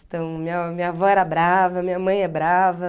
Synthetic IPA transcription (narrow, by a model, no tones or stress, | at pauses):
t̪ɐ̃w̃mĩɲɐmĩɲɐvɔɛɾɐbɾavɐmĩɲɐmɐ̃j̃ɛbɾavɐ